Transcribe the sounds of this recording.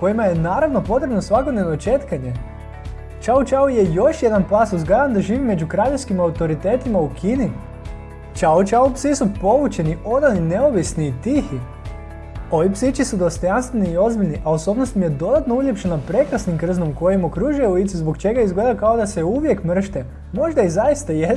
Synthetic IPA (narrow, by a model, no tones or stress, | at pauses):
ko̞jimaje̞naːɾaʋno̞po̞t̪ɾebnosʋako̞d̪ne̞ʋnot͡ʃe̞t̪kaɲe̞ | t͡ʃaut͡ʃauje̞jo̞ʃje̞d̪anplaːsuzɡlajand̪aʒiːʋime̞d͡ʒukɾaʎeskimaut̪o̞ɾit̪e̞ːt̪imaukʰini | t͡ʃaut͡ʃaupsisupo̞ʋut͡ʃe̞niʔo̞d̪anine̞o̞ʋisniːt̪ixi | o̞ʋipsit͡ʃisud̪o̞st̪o̞janst̪ʋeniːo̞zbiʎʲniʔaoso̞ːbnost̪imje̞d̪o̞d̪at̪nouʎe̞pʃenapɾe̞kɾasnimkr̩zno̞mko̞jimo̞kɾuʒujeulit̪sizbo̞kt͡ʃe̞ɡaizɡle̞d̪akao̞d̪aseuʋje̞kmr̩ʃt̪e | mo̞ʒd̪aizajist̪aje